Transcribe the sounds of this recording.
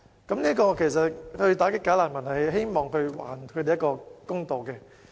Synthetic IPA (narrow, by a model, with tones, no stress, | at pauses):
kɐ˨˦mniː˥kɔː˧kʰe˨˩jsɐ˨t̚hɵ˧ɥt̪aː˨˥kɪ˥kːaː˨˥laː˨˩nmɐ˨˩nhɐ˨jɦe˥jmɔː˨ŋhɵ˧ɥwa̰ː˨nkʰɵ˨˧te˨jɐ˥kɔː˧kʊ˥ŋt̪o˨wkɛ˧